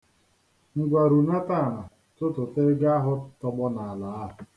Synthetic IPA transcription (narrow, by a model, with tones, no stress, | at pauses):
ŋ̩˦ɡʷa˨ɾu˨na˦ta˦˨na˨ | tʊ˦tʊ˨te˦ɡa˦ɦʊ˦tɔ˦ɡ͡bɔ˦na˨a˨la˨˦a˦ɦ